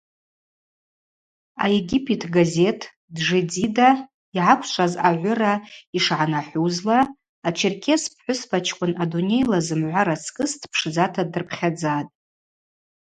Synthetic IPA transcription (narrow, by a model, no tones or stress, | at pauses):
a̰jeɡʲipʰʼetʰɡaze̞tʰ | dʐed͡zida | iʕakʷʰʃʷʰʼazaʕʷʊraiʂʕanaħʷuzlaː | t͡ʃʰɪrkʲʰespʰħʷʊsbat͡ʃʰkʷʼʊnadunʲe̞jlazɨmʕʷaɾat͡sʰkʼɨstʰpʰʂd͡zatʰadɨrpʰχʲad͡zatʼ